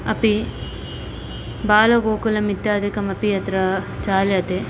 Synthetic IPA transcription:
ɐ̰pi | baːlɐɡoːkulɐmit̪ːjaːd̪ʱikɐmɐpijɐt̪ɾɐt͡ʃaːliɐt̪e

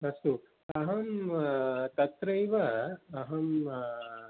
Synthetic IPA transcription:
ɐst̪u | ɐɦɐm | t̪ɐt̪ɾɐjʋɐɐɦɐm

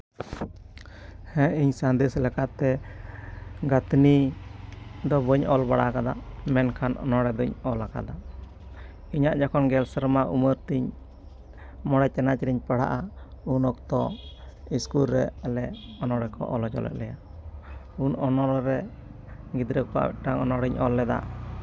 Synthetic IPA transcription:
hɛ̃iɲsand̪ɛslɛkat̪ːɛ | ɡat̪ni | d̪ɔbəɲɔlbaɽakad̪a̰ʔmɛnkʰanʔɔ̰nɔɾɛd̪ɔɲɔlaka̰d̪a | iɲaʔd͡ʒakʰɔnɡɛlsəɾmaʔuməɾt̪iɲ | mɔɽɛt͡ʃɛnat͡ʃiɾiɲpəɽa̰ʔaunɔkt̪ɔ | iskulːɛalɛɔnɔɽɛkɔ̰ʔɔlɔd͡ʒɔ̰lɛ̰ʔ̚lɛja | unɔnɔɾɾɛ | ɡid̪ɾəkua̰bɛ̰ʔʈaŋɔnɔɽiɲɔlːɛd̪a̰

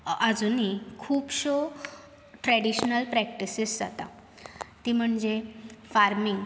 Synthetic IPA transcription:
ad͡zunikʰuːbɕo | ʈɾɛɽiɕnəlpɾɛk̚ʈisisd͡zat̪a̰ | t̪iːm̤əɳd͡ʑefaɾmiŋɡ

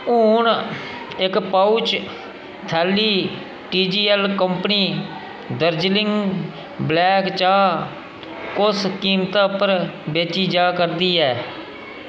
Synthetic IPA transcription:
uːn | ɪkpəut͡ʃ | t̪ʰaːliː | ʈiːd͡ʒiːɛlkəmpəniː | d̪əɾd͡ʒlɪŋɡ | blɛːkt͡ʃaː | kʊskiːmt̪aːpəɾbeːt͡ʃiːd͡ʒaːkəɾd̪iːɛː

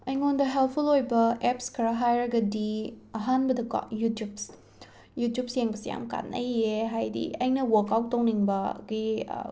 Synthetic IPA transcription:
ɐjŋondɐɦelpʰulojbɐepskʰɐɾɐɦajɾɡɐdiɐɦanbɐdɐkjutjubs | jutjup̚sjeŋbɐsija̰mka̰nɐ̰jeɦajdḭɐjnɐwɐkaw̚towniŋbɐɡḭ

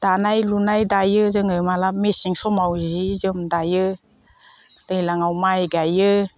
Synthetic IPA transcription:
d̥anajlunajdajɯzɯŋɯmalamesiŋsɔmawzizɯmdajɯ | d̥ɯjlaŋawmajɡajɯ

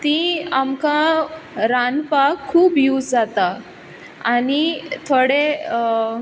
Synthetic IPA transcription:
t̪iamkã | ɾanpakʰːuːpjuːd͡zd͡zat̪a | anit̪ʰoɽe

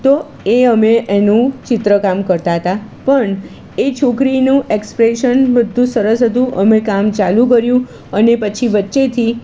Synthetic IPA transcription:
t̪o | eəmeʔenũt͡ʃɪt̪ɾəkamkəɾt̪aɦət̪a | pəɳ | et͡ʃʰokɾinũʔekspɾeʃənbəd̪ʱːũsəɾəsɦəd̪ũʔəmekamt͡ʃalũkəɾjũ | ənepət͡ʃʰiʋətːʃet̪ʰi

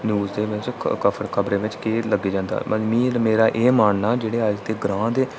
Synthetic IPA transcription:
njuːzd̪eːʋɪt͡ʃkəfʰəɾkʰəbɾẽːʋɪt͡ʃkeːləɡːeːd͡ʒãːnd̪a̰ːməmĩːmeːɾaːʔeːmaːɳnaːd͡ʒeːɽeːəɡt̪eːɡɾãːd̪eː

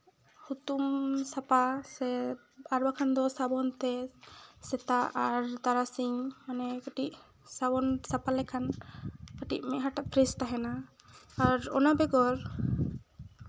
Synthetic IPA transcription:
hut̪umsapasɛ | aɾbakʰand̪ɔsabɔnt̪ɛsɛt̪aʔaɾt̪aɾasiɲmanɛkəʈiʔ | sabɔnsapalɛkʰankəʈḭʔ̚mɛʔɦaʈaʔpɾist̪aɦɛnaː | ɾɔnabɛɡɔɾ

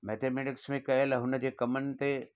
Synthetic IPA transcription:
mɛːt̪ʰeːmeːʈɪksmẽkɐɦəlɦʊnə̆d͡ʑeːkɐmənɪ̆t̪e

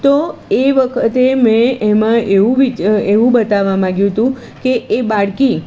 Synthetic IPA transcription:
t̪oeʋəkʰət̪emɛ̃emãʔeʋũʋieʋũbət̪aʋamãɡjũt̪ũ | keebaɭki

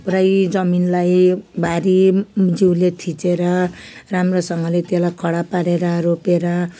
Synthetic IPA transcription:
prajd͡zʌminlajbʱaɾid͡ziwlet̪ʰit͡seɾʌramrosʌŋɡʌlet̪elajkʰʌɽapaɽeɾʌɾopeɾʌ

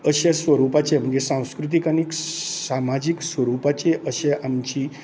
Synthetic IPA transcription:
əɕesʋəɾupat͡ɕem̤əɳd͡ʑesãw̃skɾut̪̬ikaneksamad͡ʑiksʋəɾupat͡ɕeʔəɕeʔamt͡ɕi

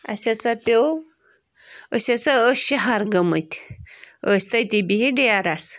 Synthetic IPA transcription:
a̰sasapew | əsasaəɕiɦaɾɡəmət̪ʲ | əst̪ajt̪ibiɦiɖejaɾas

